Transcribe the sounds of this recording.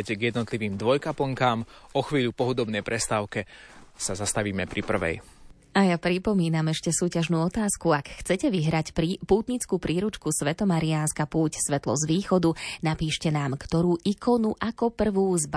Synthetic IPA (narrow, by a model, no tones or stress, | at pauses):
ɛcɡjɛd̪nɔt̪liʋiːmd̪ʋɔjkapl̩ŋkaːmɔxʋiːʎupɔɦud̪ɔbnɛjpɾʔɛst̪aːʊkɛsazast̪aʋiːmɛpɾipr̩ʋɛ̰j | ajapɾipɔmiːnamɛʃcɛsuːcaʒnuːɔt̪aːskuakxt͡sɛcɛʋiɦɾacɾpuːt̪ɲit͡skuːpɾiːɾut͡ʃkusʋɛt̪ɔmaɾianskapuːcsʋɛt̪lɔ̰zʋiːxɔd̪unapiːʃcɛnaːmkt̪ɔɾuːʔikɔnuʔakɔpr̩ʋuːzb